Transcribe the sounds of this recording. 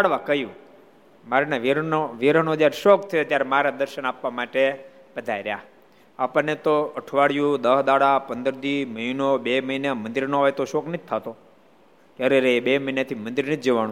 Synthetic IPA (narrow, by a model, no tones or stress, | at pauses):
aɽʋakəjũ | maɾneʋiɾənod͡ʒaɾʃok̚t̪ʰəjot̪jaɾemaɾad̪əɾʃənapʋamaʈe | pəd̪ʱajɾja̰ | apənet̪oəʈʰʋaɽjũd̪əɦd̪aɽapənd̪əɾd̪iməinobeməinemə̃nd̪iɾnoɦɔjt̪oʃoknid͡ʒ̚t̪ʰat̪o | k̪jaɾeɾeebeməinat̪ʰimənd̪iɾnit̪d͡ʒeʋanũ